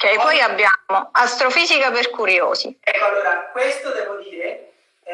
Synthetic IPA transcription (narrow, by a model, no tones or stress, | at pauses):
k̟ɛjpɔjabːjamoast̪ɾofiːzikaperkuɾjo̰ːsḭɛkːoalːoːɾakwest̪od̪ɛːvod̪iːɾe